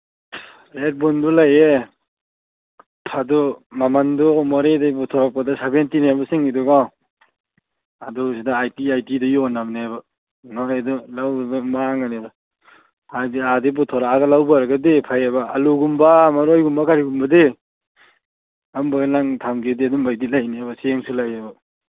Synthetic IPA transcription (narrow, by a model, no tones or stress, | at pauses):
ɾet̚bɔndɔlaje | pʰadɔmamandɔmɔɾedabɔtʰɔɾak̚padasabentineabɐsiŋidɔɡa | adɔsidaajtiajtidɐjɔnabneabɐ | nɔedɔlawbɐmaŋaneda | ajdiadebɔtʰɔɾaaɡɐlawbaɾɐɡɐdepʰajabɐaluɡumbamaɾojɡumbakaɾiɡumbɐde | ambaɡnaŋtʰamɡedeadumbajdilajneabɐseŋsulajabɐ